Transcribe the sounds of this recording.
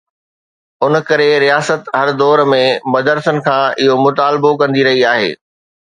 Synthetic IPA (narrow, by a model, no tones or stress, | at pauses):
ʊnkɐɾeɾijaːsət̪ɦɐɾd̪ɔːɾmẽmɐd̪əɾsənɪ̆kʰãːɪɦomʊt̪aːlbokɐ̃nd̪iɾɐɦiaːɦḛː